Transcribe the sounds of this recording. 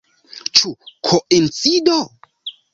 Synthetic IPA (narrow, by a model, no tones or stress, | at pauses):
t͡ʃukʰoʔent͡sido